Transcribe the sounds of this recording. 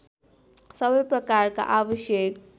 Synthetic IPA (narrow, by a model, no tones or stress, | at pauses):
sʌbʌjprʌkaɾka̰ʔabʌʃjek